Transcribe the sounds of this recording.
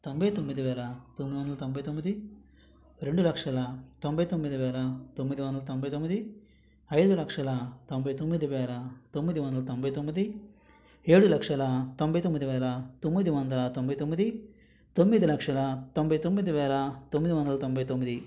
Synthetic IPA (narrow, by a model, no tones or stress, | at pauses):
t̪ombɐjt̪omːid̪iʋɛːlɐt̪omːid̪iʋond̪ɐlɐt̪ombɐjt̪omːid̪i | ɾe̞ɳɖulɐkʂɐlɐt̪ombɐjt̪omːid̪iʋɛːlɐt̪omːid̪iʋɐnd̪ɐlɐt̪ombɐjt̪omːid̪i | ɐjd̪ulɐkʂɐlɐt̪ombɐjt̪omːid̪iʋɛːlɐt̪omːid̪iʋɐnd̪ɐlɐt̪ombɐjt̪omːid̪i | eːɽulɐkʂɐlɐt̪ombɐjt̪omːid̪iʋɛːlɐt̪omːid̪iʋɐnd̪ɐlɐt̪ombɐjit̪omːid̪i | t̪omːid̪ilɐkʂɐlɐt̪ombɐjit̪omːid̪iʋɛːlɐt̪omːid̪iʋɐnd̪ɐlɐt̪ombɐjt̪omːid̪i